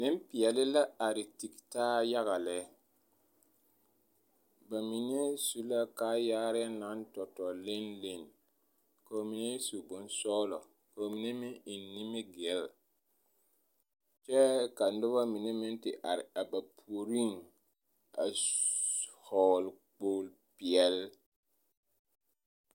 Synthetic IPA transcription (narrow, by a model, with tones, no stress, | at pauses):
nɪ˦m˦pɪ˨ɛ˨lɪ˦la˦a˨ɾɪ˨ti˨ktaː˦ja˦ɣa˨lɛ˦ | ba˨mi˨n˦e˦su˦la˦kaː˦jaː˦ɾɪ˦a˦na˦n˦tɔ˨tɔ˨lɪ˦nlɪ˦˨n | ka˨o˨mi˨n˦e˦su˨bʊ˨n˦sɔː˦lɔ˨ | ka˨o˨mi˨nɛ˦mɪ˦ɪ˨˦ni˦mɪ˦ɡɪ˨˦l | t͡ʃɛ˦ka˨n̩˦dʊ˦βa˦mi˨ne˦mɪ˦n˦tɪ˨ʔa˨ɾɪ˨a˨ba˨pʰu˨o˨ɾi˦ŋ | a̰˨ | hɔ˨lk͡poː˦l | pi˨ɛ˨l